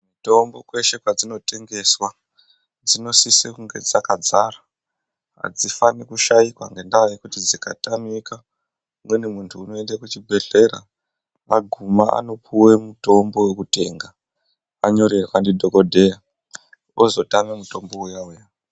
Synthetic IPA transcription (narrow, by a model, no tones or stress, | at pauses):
muto̞mbo̞kwe̞ʃe̞kwad͡zino̞te̞ŋɡe̞swa | d͡zino̞sisekuŋɡed͡zakad͡zara | ɦa̰d͡zifanikuʃajikwaŋɡe̞ndaajikutid͡zika̰tamika | mwe̞nemuntʰuːno̞e̞ndekut͡ʃibʱe̞ɮe̞ɾa̰ | maɡʱumaʔa̰no̞pʰuwe̞muto̞mbo̞we̞kute̞ːŋɡa | aɲo̞ɾekwandidʱo̞kodʱe̞ja | ozo̞tamemuto̞mbo̞ujauja